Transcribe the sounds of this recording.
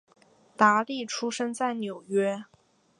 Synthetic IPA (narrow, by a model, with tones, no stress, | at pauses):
t̪a˧˥li˥˩ʈ͡ʂʰu˥ʂɤ˥ŋt͡sa˥˩ɪnjo˨˩ʊɥɛ˥